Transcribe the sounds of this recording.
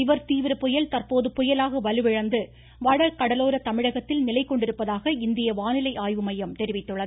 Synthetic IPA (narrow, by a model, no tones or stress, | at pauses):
ɪʋɐɾt̪iːʋɪɾɐpɔjɐlt̪ɐrpoːðɯpɔjɐlaːɣɐʋɐlɯʋɪɻɐnd̪ɯ | ʋɐɽɐkɐɽɐloːɾɐt̪ɐmɪɻɐɣɐt̪ːɪlnɪlɐɪkːɔɳɖɪɾɯpːɐðaːɣɐɪnd̪ɪjɐʋaːnɪlɐɪʔaːjʋɯmɐjɐmt̪ɛɾɪʋɪt̪ːɯɭːɐð